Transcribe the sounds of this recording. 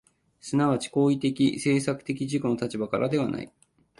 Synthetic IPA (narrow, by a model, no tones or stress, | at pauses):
sɨnaβat͡ɕi̥ko̞ːit̪e̞kʲise̞ːsakɯ̟̥t̪e̞kʲiʑiko̞no̞t̪at͡ɕibakaɾʔad̪e̞β̞ana̰ḭ